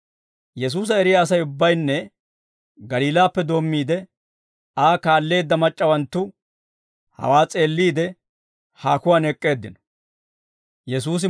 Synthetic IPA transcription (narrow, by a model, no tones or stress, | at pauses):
jɛs̬uːs̬ɐɛɾɪjaːs̬ɐjʊbːɐjnːɛ | ɡɐliːlaːpːɛd̪o̞ːmːiːd̪ɛ | aːkaːlːe̞ːd̪ːɐmɐt͡ʃʼːɐwɐnt̪ːʊ | hɐ̰waːt͡sʼe̞ːlːiːd̪ɛ | haːkʊwaːnɛkʼːe̞ːd̪ːɪnɔ̥ | jɛsuːs̬ɪ